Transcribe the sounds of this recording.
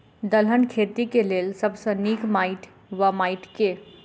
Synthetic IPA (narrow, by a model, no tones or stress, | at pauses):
d̪əlɦənkʰeːt̪ikeleːlsɐbsəniːkmaːɪʈ | ʋɐmaːɪʈke